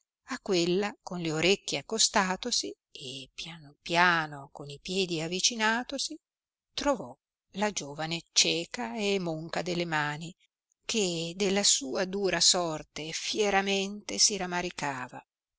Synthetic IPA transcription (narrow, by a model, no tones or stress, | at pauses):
akːwelːakonleoɾekːeakːost̪aːt̪osi | epjanopjaːnokonipjɛːd̪iavːit͡ʃinaːt̪osi | t̪ɾovɔ | lad͡ʒoːvanet͡ʃɛːkaemoŋkad̪elːemaːni | kʰed̪elːasuːad̪uːɾasɔrt̪efjeɾament̪esiɾamaɾikaːva